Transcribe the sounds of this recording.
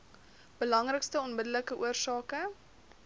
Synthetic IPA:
b̥əlɐŋrəkstəɔnmədələkəʔuərsɑːkə

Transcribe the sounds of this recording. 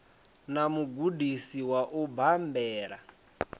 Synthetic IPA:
namuɡudʱisiwaʔubambɛːɺa̰

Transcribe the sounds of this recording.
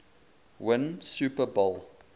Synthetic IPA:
wɪ̃nsuːpəbolˠ

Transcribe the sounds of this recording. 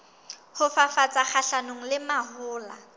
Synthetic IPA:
hʊfafat͡sʼak͡xʰaɬanoŋ̩lɪmahʊːla

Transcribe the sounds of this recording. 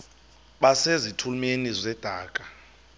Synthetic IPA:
ɓasezitʰulmenizɛd̥ʱaːkʼḁ

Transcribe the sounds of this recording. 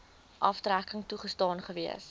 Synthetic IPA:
ʔɐftrækəŋtuχəstɑːnχəviəs

